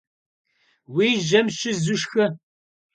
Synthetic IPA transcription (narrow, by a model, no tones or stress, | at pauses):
wiːʒɐmɕɪzʊʂxɨ